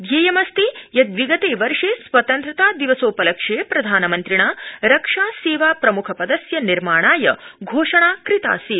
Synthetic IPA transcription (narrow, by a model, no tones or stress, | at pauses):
d̪jeːjɐmɐst̪ijɐd̪ʋiɡɐt̪eːʋɐɾʂeːsʋɐt̪ɐnt̪ɾɐt̪aːd̪iʋɐsoːpɐlɐkʂeːpɾɐd̪ʱaːnɐmɐnt̪ɾiɳaːɾɐkʂaːseːʋaːpɾɐmukʰɐpɐd̪ɐsjɐniɾmaːɳaːjɐɡʱoːʂɐɳaːkɾit̪a̰ːsi